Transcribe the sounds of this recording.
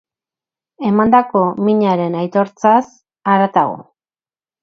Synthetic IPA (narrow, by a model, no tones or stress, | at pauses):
e̞mand̪ako̞miɲaɾe̞najt̪o̞ɾt͡sas | aɾat̪aɣo̞̰